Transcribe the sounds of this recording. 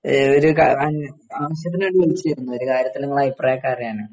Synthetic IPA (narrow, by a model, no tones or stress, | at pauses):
oɾukaaːnaːʋɐɕ̬jɐt̪ːinaːɽɨʋelit͡ɕːiiɾunːuo̞ɾukaːɾjɐt̪ːilniŋːɐɭaːjiprɐjakːaːrjaːɳɨ